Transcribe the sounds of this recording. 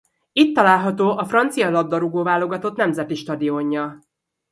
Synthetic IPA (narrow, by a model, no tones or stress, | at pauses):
it̪ːɒlaːlɦɒt̪oːʔɒfrɒnt̪sijɒlɒb̪d̪ɒɾuɡoːvaːlo̞ɡɒt̪o̞t̪nɛmzɛt̪iʃt̪ɒd̪io̞ɲːɒ